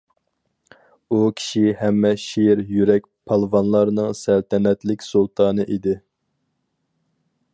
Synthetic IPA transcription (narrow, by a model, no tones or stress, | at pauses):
ukʲʰi̥ʃihɛmːɛʃiɾjyɾɛk̚ʲpʰɑlˠvɑnlˠɑɾnɨŋsælt̪ʰɛnɛt̪lɪkʲsulˠt̪ʰɑːnɨʔid̪ɪ